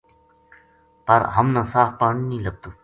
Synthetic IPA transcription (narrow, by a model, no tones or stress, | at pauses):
pɐɾɦəmnãːsaːfpaːɳiːnĩːləb̚t̪uː